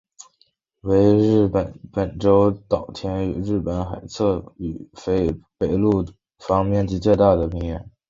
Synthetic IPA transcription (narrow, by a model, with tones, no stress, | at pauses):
we˧˥ɪɻ̩˥˩ə˨˧˩npə˨˩nʈ͡ʂo˥ʊt̪ɑ˨˩ʊt̪ʰjɛ˧˥ny̰˨˩ɻɻ̩˥˩pə˧˥nxa˨˩ɪt͡sʰɤ˥˩y˨˩fe˧˥ɪpe˨˩ɪlu˥˩ | fɑ˥ŋmjɛ˥˩nt͡ɕi˧˥t͡ɕjɛ˥˧t̪a˥˩d̪ə˩mi˧˥ŋɥɛ̰˧˥n